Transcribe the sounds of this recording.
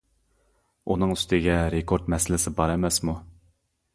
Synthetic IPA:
unɨŋyst̪ɪɡʲɛɾekʰoɾt̪mɛsɪlɪsɪbɑɾɛmɛsmu

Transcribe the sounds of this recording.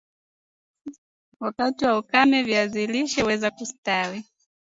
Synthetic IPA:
wakatiwaukamɛviaziliʃɛwɛzakustawi

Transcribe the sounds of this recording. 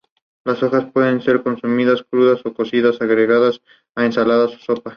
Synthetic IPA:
laso̞xaspweðe̞nse̞ɾko̞nsumiðaskɾuðaso̞ko̞siðasaɣɾeɣaðas | aensalaðaso̥so̞pa

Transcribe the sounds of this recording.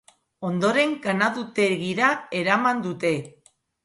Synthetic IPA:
o̞nd̪o̞ɾe̞ŋɡanaðut̪e̞ɣiɾae̞ɾamand̪ut̪e̞

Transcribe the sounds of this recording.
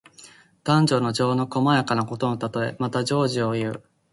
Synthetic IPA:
d̪̥ãɲ̟d͡ʑo̞ːno̞d͡ʑo̞ːno̞ko̞majakanako̞t̪o̞not̪at̪o̞e̞̰mat̪ad͡ʑo̞ːʑio̞jɯ̟ː

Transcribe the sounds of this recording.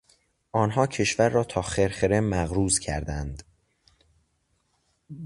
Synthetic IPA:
ʔɒːnɦɒːcʰe̞ʃvæɾːɒːt̪ʰɒːxeɾxeɾemæɣɾuːzcʰæ̰ɾd̪ænd̪

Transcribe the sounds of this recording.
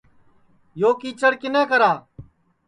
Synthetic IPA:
joːkiːt͡ʃəɽkɪnɛ̃ːkəɾaː

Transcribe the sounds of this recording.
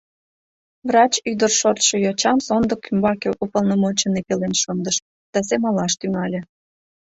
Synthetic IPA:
vrɑt͡ɕyd̪ərʃort̪ʃojɑt͡ɕɑmsond̪əkːymbɑkeʔupəlnomot͡ɕənepelenʃond̪əʃ | d̪̥ɑsemɑlɑʃt̪yŋɑlʲe

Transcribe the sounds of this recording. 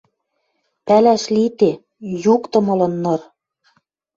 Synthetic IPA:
pælæʃlit̪e | jukt̪ɤ̆mɤ̆lɤ̆nːɤ̆r

